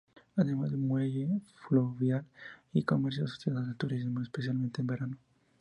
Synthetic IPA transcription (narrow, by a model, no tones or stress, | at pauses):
aðemazðemweʝefloβjalikomeɾs̬jaso̥sjeðazet̪uɾizmoespes̬jalmẽnt̪embe̞ɾano